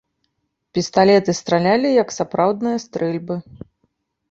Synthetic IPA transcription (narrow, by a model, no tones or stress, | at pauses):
pʲist̪alʲɛt̪ɨst̪ɾalʲalʲijɐksapɾawd̪nɨjɐst̪ɾɛlʲbɨ